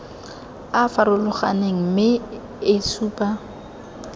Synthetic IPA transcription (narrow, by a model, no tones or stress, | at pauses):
afaɾʊlʊχaneŋ̩mɪ | ɪsʰuːpʼa